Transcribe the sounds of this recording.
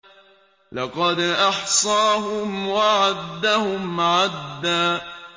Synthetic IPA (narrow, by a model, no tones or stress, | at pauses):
lɑqɑd̪ʔɑħsˤɑːɦʊmwaʕad̪ːahʊmʕad̪ːaː